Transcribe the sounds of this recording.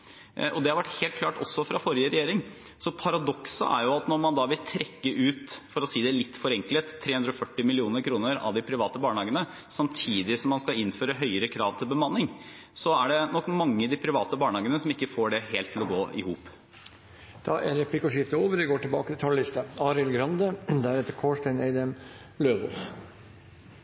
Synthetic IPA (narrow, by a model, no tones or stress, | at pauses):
ʔɔd̪ɛhɑɾʋæʈheːlt̪kʰlɑːʈɔsːɔfɾɑfɔɾɪəɾɛjeːɾɪŋ | sɔpʰɑɾɑd̪ɔksə̰ʔæ̰ɾjʊɑt̪nɔɾmɑnd̪ɑːʋɪlt̪ʰɾɛkːəʔʉːt̪fɔɾɔsiːd̪ɛɭɪt̪ːfɔɾɛŋklət̪ʰːɾeːʉnd̪ɾɔfœʈːɪmɪlɪuːnəɾkʰɾuːnəɾɑ̰ʋd̪ɪpʰɾɪʋɑːt̪əbɑːɳəhɑːɡənə | sɑmt̪ʰiːd̪ɪsɔmːɑnskɑɪnføːɾəɦœʏəɾəkʰɾɑːʋt̪ʰɪlbəmɑnːɪŋ | sɔæɖɛnɔkːmɑŋːəd̪ɪpʰɾɪʋɑːt̪əbɑːɳəhɑːɡənəsɔmɪkːəfoːɖɛheːlt̪ʰːɪlɔɡoːʔɪ̰huːp | d̪̥ɑʔæɾɛpʰlɪkɔʂɪft̪əoːʋəɾʋɪɡoːʈɪlbɑ̰ːkət̪ʰɪt̪ʰɑllɪst̪əɑːɾɪlɡɾɑnd̪əd̪ææɾɛt̪ːəɾkʰoːʂʈæɪneɪd̪ɛm | løːʋɔ̰lf